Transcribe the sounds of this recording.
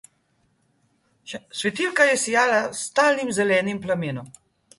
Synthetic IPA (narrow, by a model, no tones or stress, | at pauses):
sʋɛt̪iːlkajɛsijaːlast̪aːlimzɛlɛːnimplameːnɔm